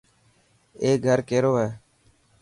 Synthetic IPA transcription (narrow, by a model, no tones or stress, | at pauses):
eːɡʱəɾkeːɾoːɦeː